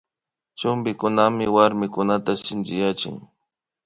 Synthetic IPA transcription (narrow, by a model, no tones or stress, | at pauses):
t͡ʃʊmbɪkʊnamɪwaɾmɪkʊnat̪asɪnd͡ʒɪjat͡ʃɪ̰ŋ